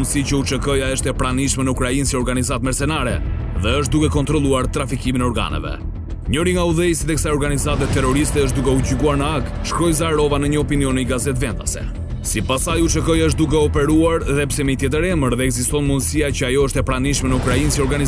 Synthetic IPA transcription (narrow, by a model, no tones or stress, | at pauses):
nd̪sicəut͡ʃəkɔjaəʃt̪ɛpɾaniʃmɛnəukɾainsiɔɾɡanizat̪mɛɾsɛnaɾɛ̰ðɛəʃ̬t̪̚d̪ukɛkɔnt̪ɾɔlˠuaɾt̪ɾafikiminɛɔɾɡa̰nɛ̰vɛ̰ | ɲɔɾiŋɡauðɛjsit̪ɛksajɔɾɡanizat̪ɛt̪ɛɾɔɾist̪ɛəʃt̪d̪ukɛud͡ʑiɡuaɾnəaɡ | ʃkɾɔjzaɾɔvanəɲəɔpiniɔniɡazɛt̪vɛnd̪a̰sɛ̰ | sipasajut͡ʃəkɔjəʃt̪̚d̪ukɛɔpɛɾuaɾðɛpsɛmit̪jɛt̪̬əɾɛməɾðɛːɡzist̪ɔnmund̪siacəajɔəʃt̪ɛpɾaniʃmɛnəukɾainsiɔɾɡaniz